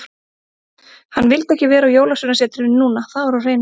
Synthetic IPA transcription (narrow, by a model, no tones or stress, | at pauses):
hanːvɪlt̪ɛhcɪvɛːɾawjoːwlasʏːnasɛːt̪ʏɾɪnuːnaθavaɾawr̥eːjn